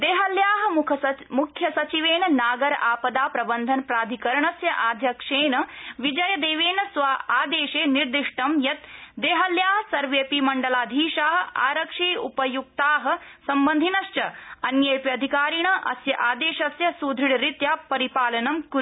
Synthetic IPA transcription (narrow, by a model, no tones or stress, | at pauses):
d̪eːɦɐljaːɦɐmukʰɐmukʰjɐsɐt͡ʃiʋeːnɐnaːɡɐɾaːpɐd̪aːpɾɐbɐnd̪ʱɐnpɾaːd̪ʱikɐɾɐɳɐsjɐʔaːd̪ʱjɐkʂeːnɐʋid͡ʒɐjɐd̪eːʋeːnɐsʋaaːd̪eːʃeːniɾd̪iʂʈɐmjɐt̪d̪eːɦɐljaːɦɐsɐɾʋeːpimɐɳɖɐlaːd̪ʱiːʃaːɦɐ̆aːɾɐkʂiːupɐjuk̚t̪aːɦɐ̆sɐmbɐnd̪ʱinɐʃt͡ʃɐɐnjepjɐd̪ʱikaːɾiɳ̃ɐʔɐ̰sjɐʔaːd̪eːʃɐsjɐsud̪ʱiɽɾit̪jaːpɐɾipaːlɐnɐmkuɾ